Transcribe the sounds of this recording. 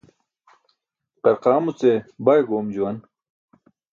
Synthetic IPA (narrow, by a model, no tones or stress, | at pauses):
qɐɾqaːmut͡sebajɡoːmd͡ʑuwɐn